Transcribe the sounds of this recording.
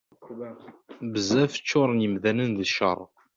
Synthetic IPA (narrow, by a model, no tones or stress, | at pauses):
bəzæfə̥t͡ʃːʊɾˤənjəmðænənðəʃə̰ɾˤ